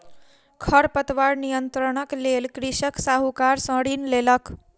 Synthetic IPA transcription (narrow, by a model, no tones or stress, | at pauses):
kʰʌɾpət̪ʋaɾnijənt̪ɾəɽ̃əklelkɾisəksaɦukaɾsə̃ɽinlelʌk